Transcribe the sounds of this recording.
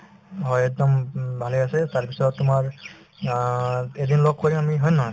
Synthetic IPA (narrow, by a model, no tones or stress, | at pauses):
ɦɔjɛk̚d̪ɔmbʱaleasɛtaɹpisɔtːʊmaɹ | edinlok̚kːoɹimamiɦɔjna